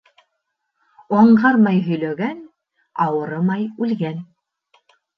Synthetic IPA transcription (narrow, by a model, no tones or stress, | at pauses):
ɑɴɢɑɾmɑjɦɵ̆jlæɡæn | ɑwɤ̆ɾɤmɑjʉlɡæn